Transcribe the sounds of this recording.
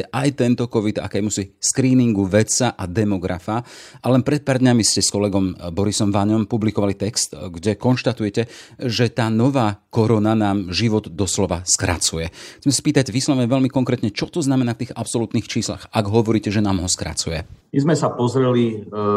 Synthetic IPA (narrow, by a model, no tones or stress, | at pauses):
ɛʔajt̪ɛnt̪ɔkɔʋid̪a̰kɛːmusiskɾiːniŋɡuʋɛt͡saʔad̪ɛmɔɡɾa̰faʔalɛnpɾɛt̪̚paːɾd̪ɲamiscɛskɔlɛɡɔmbɔɾisɔmʋaɲɔmpublikɔʋalit̪ɛkst̪ɡɟɛkɔnʃt̪at̪ujɛcɛʒɛt̪aːnɔʋaːkɔɾɔnanaːmʒiʋɔd̪d̪ɔslɔʋaskɾa̰t͡sujɛxt͡sɛmɛsḁpiːt̪aɟʋiːslaʋɲɛʋɛlmikɔŋkɾɛːt̪ɲɛt͡ʃɔt̪ɔznamɛnaːft̪iːɣapsɔlut̪niːxt͡ʃiːsla̰xaɡɦɔʋɔɾiːcɛʒɛnaːmɦɔskɾa̰t͡sujɛmizmɛsapɔzɾɛli